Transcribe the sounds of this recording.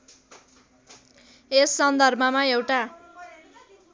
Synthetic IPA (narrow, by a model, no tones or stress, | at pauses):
esːʌnd̪ʱʌrbʱʌmaewʈa